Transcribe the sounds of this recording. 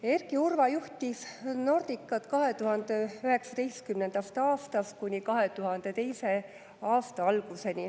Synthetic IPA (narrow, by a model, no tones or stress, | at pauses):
e̞rɡiurvɑjuht̪ʲisno̞rd̪̥ikːˑɑt̪kɑɦe̞t̪uɦɑnd̪̥eyɦe̞ksɑt̪e̞jst̪̚kymnend̪̥ɑst̪ɑːst̪ɑst̪̚kunʲikɑɦet̪uɦɑnd̪̥e̞t̪e̞jse̞ | ɑːst̪ɑɑlɡ̥use̞nʲi